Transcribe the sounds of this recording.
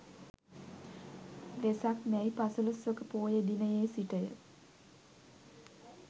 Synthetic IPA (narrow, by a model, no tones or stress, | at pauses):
ʋesakmɛjpasuləsʋəkəpoːjed̪inəjeːsiʈəjə̰